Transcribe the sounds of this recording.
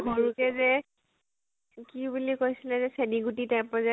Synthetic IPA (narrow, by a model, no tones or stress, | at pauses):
ɡɔɹukɛzɛ | kibulikojsilɛzɛseniɡutitajmpɔzɛ